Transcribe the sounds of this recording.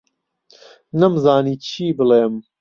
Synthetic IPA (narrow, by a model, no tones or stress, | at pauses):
nɐmzaːniːt͡ʃʰiːbɨleːm